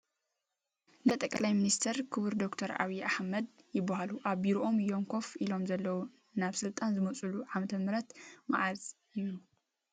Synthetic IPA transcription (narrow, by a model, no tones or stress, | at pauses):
nɐt̪ʼɐkʼlajminist̪ʰɐɾkʰɨβɨɾd̪o̞kt̪ʰɐɾʔa̰βiʔaħmɐd̪ | jɪbːaɦaluʔaβbiɾoʔo̞mjoŋkʰo̞filo̞mzɐlːɐwu | naβsɨlt̪ʼanzɨmɐt͡sʼuluʕamɐt̪ʰɐmɨɾɐt̪maʕazʼ | ɨju